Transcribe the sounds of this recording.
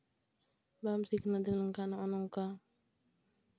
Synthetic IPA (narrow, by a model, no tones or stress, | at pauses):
bamsikənad̪inaŋkanaɔnɔŋka